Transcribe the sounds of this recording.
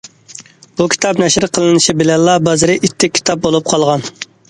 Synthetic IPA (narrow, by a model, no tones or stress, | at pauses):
bukʲʰi̥t̪ʰɑpnɛʃɪɾqʰəlˠɨnɨʃibɪlɛnlːˠɑbɑzɨɾɨʔit̪ʰːɪkʲʰːi̥t̪ʰɑp̚bolˠup̚qʰɑlˠʁɑn